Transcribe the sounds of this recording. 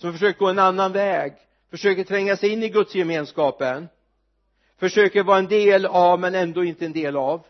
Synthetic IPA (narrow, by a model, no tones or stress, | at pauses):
sɔmfœʂ̬øːkəɡoːɛnanːanvɛːɡ | fœʂøːkəʈ̪ʰɾɛŋːasɛjɪnːɪɡɵt̪sjɛmeːnskɑːpən | fœʂøːkəɾvɑːɾaɛnd̪eːlavmɛnɛnd̪oːɪnt̪əɛnd̪eːlav